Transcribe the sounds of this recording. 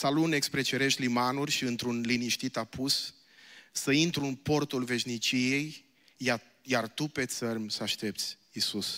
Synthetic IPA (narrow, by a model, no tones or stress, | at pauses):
salune̞kspɾet͡ʃeɾe̞ʃt̪limanurʲʃiɨnt̪ɾunliniʃt̪it̪apʰusː | əint̪ɾuɨnpo̞rt̪ulve̞ʃnit͡ʃije̞j | a | jart̪upe̞t̪sərmʲsəaʃt̪e̞p̚t̪sʲ | isus